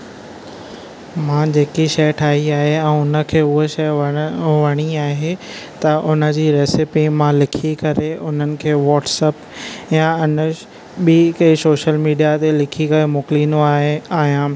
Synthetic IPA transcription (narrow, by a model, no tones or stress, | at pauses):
mãːd͡ʑeːkiʃɐjʈʰaːɦiaːɦeɛ̃ːʊnə̆kʰeːʊɦeʃɐjʋɐɽ̃iaːɦet̪ɐʔʊnə̆d͡ʑiːɾeːsɪpimãlɪkʰikɐɾeʊn̤ənɪ̆kʰeːʋɔːʈsɛːpjãʊnə | ɓikɐisoːʃəlmiːɖijat̪elɪkʰikɐɾemʊkliːnoaːɦeaːɦijãː